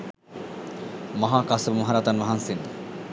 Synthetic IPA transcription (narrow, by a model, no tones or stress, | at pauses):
maɦaːkasəbumoɦaɾat̪anʋaɦansind̪